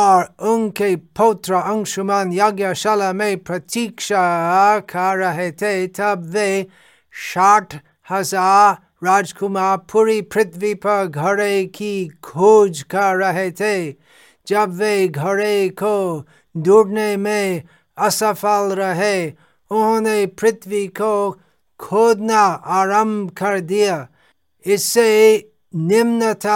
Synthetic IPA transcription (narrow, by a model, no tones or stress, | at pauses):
ɔːɾʊnkepoːt̪ɾəɐ̃ŋʃʊmanjɐɡjaʃɐlamẽpɾɐt̪ikʃakʰaɾɐɦet̪ʰet̪ɐbʋe | ʃaːʈʰ | hɐzaːɾː | aːd͡ʒkʊmaɾpʰuɾipɾɪt̪ʰʋipɐɾɡʱɐɾekikʰud͡ʒkaɾɐɦet̪ʰe | d͡ʒɐbʋeɡʱɐɾeko | d̪uːɽnemẽ | ɐsəfalɾɐɦe | ʊnõnepɾɪt̪ʋiko | kʰoːd̪naaːɾə̃mbʱkɐɾd̪ija | ɪsːe | nɪmnət̪ʰa